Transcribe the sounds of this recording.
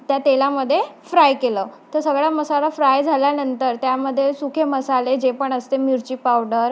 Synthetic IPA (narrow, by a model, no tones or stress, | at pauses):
t̪jat̪elaməd̪ʱːjefɾajkeləːt̪əɾsəɡɭjaməsalafɾajd͡zʱaljanənt̪əɾt̪jaməd̪ʱːjesukʰeməsaled͡ʑepəɳəst̪emuɾt͡ɕiːpawɖəɾ